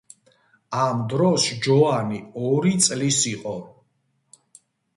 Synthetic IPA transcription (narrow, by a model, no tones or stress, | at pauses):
amd̪ɾɔsd͡ʒɔaniɔɾit̪sʼlisiqʼɔ